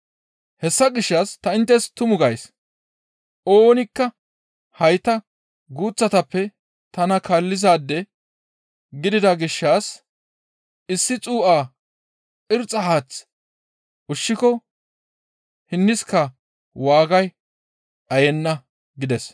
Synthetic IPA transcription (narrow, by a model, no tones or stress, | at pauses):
hɛsːɐɡɪʃːast̪ɐɪnt̪ːɛst̪ʊmʊɡɐjs | ʔoːnɪkːɐ | hɐjt̪ɐ | ɡuːt͡sːɐt̪ɐpːɛ | t̪ɐnɐkʰɐlːɪzaːd̪ːɛ | ɡɪd̪ɪd̪ɐɡɪʃːaːs | ɪsːɪt͡sʼuːʔaː | ʔɪɾt͡sʼːɐɦaːt͡s | ʔʊʃːɪkɔ | hɪnːɪskɐ | waːɡɐj | ᶑɐjɛnːɐ | ɡɪd̪ɛs